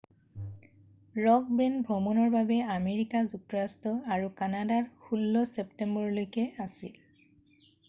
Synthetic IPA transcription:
ɹɔk̚benbʱɹɔmɔnɔɹbabɛameɹikazuk̚tɔɹastɔaɹukanadaɹxulːɔseptembɔɹɔlojkɛasḭl

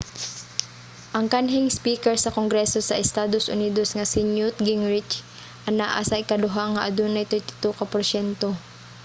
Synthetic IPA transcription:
ʔɐŋkanɦɪŋspiːkɛɹsɐkoŋɡɾɛsosɐʔɪst̪aːd̪osʔʊ̰niːd̪osŋɐsɪnjut̪̚ɡɪŋɹɪt͡ʃ | ʔɐnaʔa̰sɐʔɪkad̪ʊɦaŋːɐʔɐd̪unɐjt̪ɛɹt̪ɪ̥t̪ukɐpɔɾsɛnt̪o

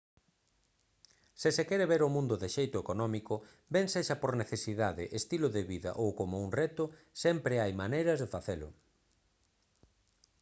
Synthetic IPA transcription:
sɪsekɛɾeβeɾʊmũnd̪ʊðeʃejt̪ʊekonɔmikʊ | beŋseʃɐpoɾneθesiðaðɪʔest̪ilʊðeβiðɐ̰ʔowkomʊuŋrɛt̪ʊsɛmpɾeajmanejɾɐzðefaθelʊ̰

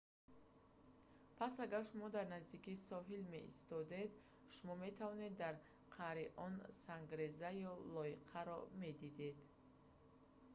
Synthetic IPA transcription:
pʰasaɡaɾʃumɔd̪aɾnazd̪ikisɔɦilme̞̰ʔḭst̪ɔd̪e̞d̪ | ʃumɔme̞t̪ʰavɔne̞d̪ːaɾ | qʰaɾiʔɔnsaŋɡɾezajɔlɔiqʰaɾɔme̞d̪id̪e̞d̪

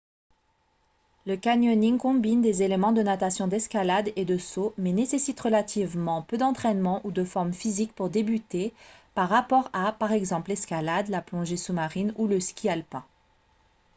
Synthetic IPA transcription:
ləkanjɔniŋkɔ̃bind̪ezelemɑ̃d̪ənat̪asjɔ̃d̪ɛskalad̪ed̪əsomɛnesesit̪ʁəlat̪ʰivmɑ̃pød̪ɑ̃t̪χɛnmɑ̃ʔud̪əfɔʁmfizik̚puʁd̪ebyt̪epaʁːapɔʁapaʁɛɡzɑ̃plɛskʲalad̪laplɔ̃ʒesumaʁinuləskʲʰialpɛ̃

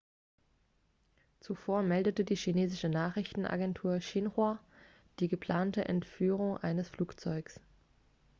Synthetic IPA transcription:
t͡sufoːɐmɛldətədiːʃineːzɪʃənaːχʁ̥ɪçtn̩ʔa̰ɡɛntʰuːɐʃɪnʁwa | d̥iːɡəpʰl̥aːntəʔɛ̰ntfyːʁ̞ʊŋʔa̰ɪnəsfluːkt͡sɔʏks

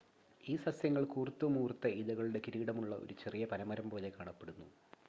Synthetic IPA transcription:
iːsɐsjɐŋːɐɭkuːrit̪ːɨmuːrt̪ːɐiðɐɣɐɭuɽe̞kiɾiːɽɐmuɭːɐʔo̰ɾut͡ɕe̞rijɐpɐnɐmɐɾɐmpo̞ːlekaːɳɐpːe̞ɽunːu

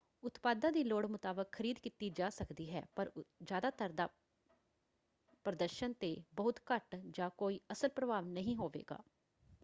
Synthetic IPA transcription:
ʊt̪paːd̪ãːd̪iːloːɽmʊt̪aːbəkʰːəɾiːd̪kiːt̪iːd͡ʒaːsəkd̪iːɦɛ̰ːpəɾd͡ʒjaːd̪aːt̪əɾd̪aː | pɾəd̪əɾʃənt̪eːbəɦʊt̪kəʈd͡ʒãːkoːiːəsəlpɾəbʱaːʋnəɦĩːɦoːʋḛːɡa̰ː

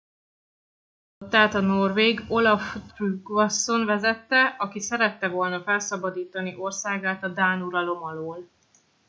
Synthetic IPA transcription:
ot̪ːaːt̪ɒno̞rveːɡo̞lɒft̪ryɡvɒsːo̞nvɛzɛt̪ːɛɒkisɛɾɛt̪ːɛvo̞lnɒfɛlsɒbɒd̪iːt̪ɒniʔo̞rsaːɡaːt̪ɒd̪aːnuɾɒlo̞mɒloːl

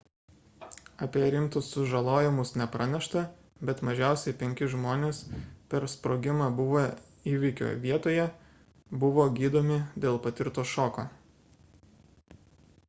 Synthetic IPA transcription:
ɐpʲiɛɾʲɪmt̪ʊsːʊʒɐlˠoːjɪmʊsnʲɛpɾʔɑnʲɛʃt̪ɐ | bʲɛt̪mɐʒʲæˑʊsʲɛɪpʲɛŋʲkʲɪʒmoːnʲeːspʲɛɾspɾoːɡʲɪmɑːbʊʋo | iːʋʲɪkʲo̰ːʋʲiɛt̪oːjɛ | bʊʋoːɡʲiːd̪oːmʲɪd̪ʲeːlˠpɐt̪ʲɪɾt̪oːʃoːkoː

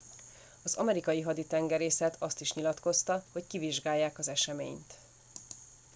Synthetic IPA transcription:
ɒzɒ̰mɛɾikɒjiɦɒd̪it̪ɛŋɡɛɾeːsɛt̪ʰɒst̪iʃɲilɒt̪ko̞st̪ɒho̞ckiviʒɡaːjːaːkɒzɛʃɛmḛːɲt̪

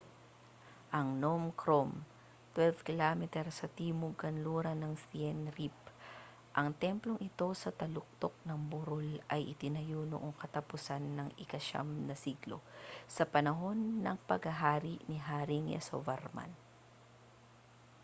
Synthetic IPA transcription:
ʔɐŋnomkʰɾom | t̪wɛlfkɪlamɛt̪ɛɾsɐt̪iːmʊɡkɐnluɾɐnɐŋsiɛnɾip | ʔɐŋt̪ɛmplo̞ŋʔɪt̪o̞sɐt̪ɐlʊk̚t̪ok̚nɐŋbʊɾolʔɐjʔɪt̪ɪnɐjo̞no̰ʔoŋkɐt̪ɐpʊsanːɐŋɪkɐʃa̰mnɐsiɡlo̰sɐpɐnɐɦo̞nːɐŋpɐɡhɐɦaːɾiʔniɦaːɾɪŋjɐ̰so̰vɛɾma̰n

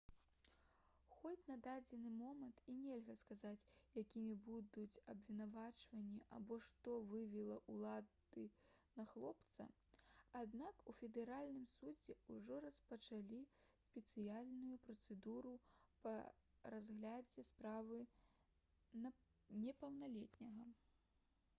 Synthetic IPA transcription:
xɔt͡sʲnɐd̪ad͡zʲɛnɨmɔmɐnt̪inʲɛlʲɣɐskazat͡sʲjakʲimʲibud̪ut͡sʲɐbvʲinavat͡ʂvɐnʲːiʔa̰bɔʂt̪ɔvɨvʲɛlˠɐʔulˠad̪ɨnɐxlˠɔpt̪sɐ̰ad̪nakufʲɛd̪ɛɾalʲnɨmsud͡zʲɛuʐɔrɐspɐt͡ʂalʲisʲpʲɛt̪sɨjalʲnujupɾɐt̪sɛd̪uɾupɐ̰ | razɣlʲad͡zʲɛspɾavɨ | nʲɛpɐwnalʲɛt̪ʲnʲɐɣɐ

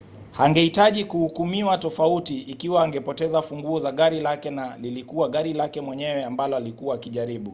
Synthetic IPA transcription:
haŋɡɛhitaʄikuhukumiwatɔfautiːkiwaːŋɡɛpɔtɛzafuŋɡuɔzaɠaɾilakɛnalilikuwaɠaɾilakɛmwɛɲɛwɛambalɔalikuwaːkiʄaɾiɓu

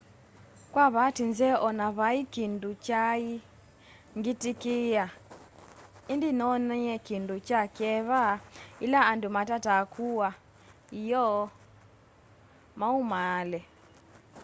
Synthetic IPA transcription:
kwaβatinzɛʔɔnaβaikindut͡ʃai | ŋɡitikia | indinɔnɛɛkindut͡ʃakɛβailaːndumatatakʰuwa | ijɔ | maumalɛ

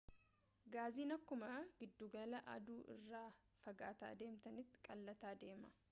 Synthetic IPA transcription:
ɡaːziːnɐkːʊmɐɡɪd̪ːuːɡɐlɐʔɐ̰d̪uːʔɪ̰rːaː | fɐɡa̰ːt̪a̰ːd̪e̞ːmt̪ɐnɪt̪ːɪ̥kʼɐlːɐt̪aːd̪e̞ːmɐ

